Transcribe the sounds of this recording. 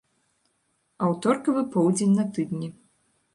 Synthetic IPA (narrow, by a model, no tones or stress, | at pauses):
ɐwt̪ɔrkɐvɨpɔwd͡zʲenʲnɐt̪ɨd̪nʲi